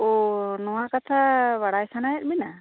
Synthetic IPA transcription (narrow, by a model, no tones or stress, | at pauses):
ɔnɔwakat̪ʰaβaɽajsanajɛt̪̚mina